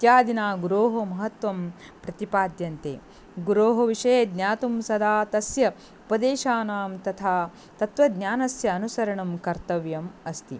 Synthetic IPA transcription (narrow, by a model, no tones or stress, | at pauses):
it̪jaːd̪inaːɡuɾoːɦomɐɦɐt̪ʋɐm | pɾɐt̪ipaːd̪jɐnt̪ḛː | ɡuɾoːɦɐʋiʂɐjed̪njaːt̪umsɐd̪aːt̪ɐsjɐ | upɐd̪eːʃaːnaːmt̪ɐt̪ʰaː | t̪ɐt̪ʋɐd̪njaːnɐsjɐːnusɐɾɐɳɐmkɐɾt̪ɐʋjɐmɐst̪i